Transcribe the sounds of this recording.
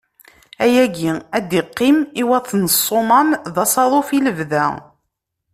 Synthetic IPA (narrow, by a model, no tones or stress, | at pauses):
æjæɡiæd̪iqːimiwæθnəsˤːomɑmðɑsˤɑðˤofiləvðæ